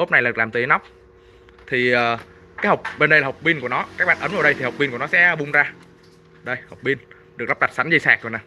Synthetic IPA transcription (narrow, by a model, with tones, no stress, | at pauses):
o˦˥p̚na˨˩jaː˨ɨ˨˩klaː˨˩mt̪ɨ˨˦na˦˥k͡p̚ | t̪ʰi˨˩əː˨˩ | kaː˨˦jɦə˨˩wk͡p̚ɓe˧nɗə˧jlaː˨˩˨wk͡p̚ɓi˧nku˧˩ənɔ˨˦kaː˦˥k̚ɓa̰ː˨˩nʔə˨˦nvaː˧˩ɗə˧jt̪i˨˩hk͡p̚ɓi˧nku˧˩ənɔ˨˦sɛ̰˧˥˧ɓʊ˨˩ŋ͡mzaː˧ | ɗə˧jhə˨˩wk͡p̚ɓi˧ən | ɗɨ˨˩k̚la˦˥ɗa˨˩t̚sa˨˦ŋ̟zi˧saː˨˩k̚zo˨˩na˨˩